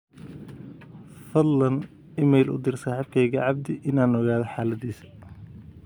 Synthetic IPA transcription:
fɐd̪lɐn | ɪmɛjlʔʊ̰d̪ɪrsaːħɪb̚kʰɛjɣɐʕɑb̚d̪ɪʔɪnaːnɔɣaːðɔħaːlɐd̪iːsɐ̥

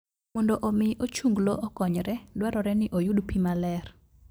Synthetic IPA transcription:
mɔndɔʔomɪʔot͡ʃuŋɡlɔʔɔkɔɲɾɛdwaɾɔɾɛnɪʔojudpimalɛr

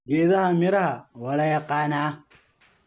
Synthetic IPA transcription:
ɡeːðɐhamɪɾɐhawɐlɐjɐqaːnaː

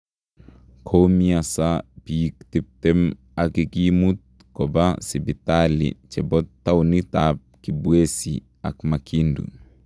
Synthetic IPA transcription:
kʰomiasapijikt̪ip̚t̪em | akikimut̪̚ | kɔbasibit̪alḭt͡ʃɛbɔt̪ːawnit̪ap̚kibwesi | a̰kmakʰindṵ

